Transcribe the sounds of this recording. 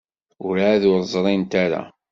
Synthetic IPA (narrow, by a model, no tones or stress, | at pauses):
ʊɾaaðʊɾˤzˤɾˤint̪aɾa̰